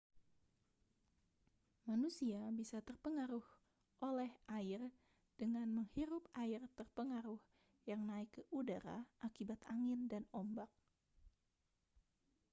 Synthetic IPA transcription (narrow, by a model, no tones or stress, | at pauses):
manusiabisat̪ərpəŋaɾʊh | ʔolɛhaɪr | d̥əŋanməŋhiɾʊpaɪrt̪ərpəŋaɾʊh | jaŋnaɪkːəudaɾa̰ʔakibat̪aŋɪndanɔmbak̚